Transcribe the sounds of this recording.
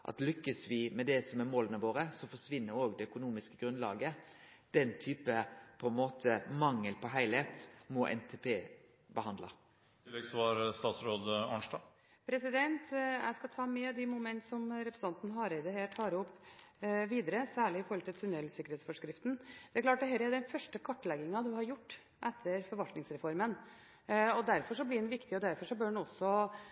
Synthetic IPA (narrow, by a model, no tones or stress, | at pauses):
ʔɑ̰t̪lʏkːəsʋɪmɛd̪ɛsɔmæɾmoːlənəʋoːɾəsɔfɔʂʋɪnːəɾoːɡd̪ɛœkʊnuːmɪskəɡɾʉnlɑ̰ːɡə | d̪̥ɛnt̪ʰyːpəpʰɔɛnmoːt̪ʰəmɑŋːəlpʰɔɦæɪlheːt̪mɔʔɛ̰nt̪ʰepʰeː | bəhɑnd̪lɑ̰ | t̪ɪlːɛɡsɔʋɑɾst̪ɑːt̪sɾoːd̪ɑnʂʈɑː | pʰɾɛsɪd̪ɛnt̪jæ̰ɪskɑt̪ʰɑːmɛd̪ɪmʊmɛnt̪sɔmɾɛpɾsnɑnt̪nɦɑɾɛɪd̪əheːʈʰɑːɾʊpː | ʋiːd̪əɾəsæːɭɪɪfɔɾhɔlt̪ʰɪlt̪ʰʉnɛlsɪkːəɾheːt̪sfɔʂkɾɪft̪n̩d̪̥ɛækʰlɑːʈ̚d̪ɛɦɛːɾəæd̪ɛnfœʂʈəkʰɔʈːlɛɡɪŋɑd̪ʉhɑɾjʊʈː | ʔɛt̪ʰːəɾfɔɾʋɑlt̪nɪŋsɾɛfɔɾmən | ɔd̪æɾfɔʂɔblɪɛnʋɪkt̪ɪɔd̪æɾfɔʂɔbœnɔsːɔ